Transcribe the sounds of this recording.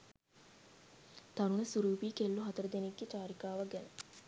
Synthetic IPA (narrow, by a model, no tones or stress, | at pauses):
t̪aɾunəsuɾuːpiːkelːuɦɐt̪əɾəd̪eneɡːet͡ʃaːɾikaːʋaɡɛnə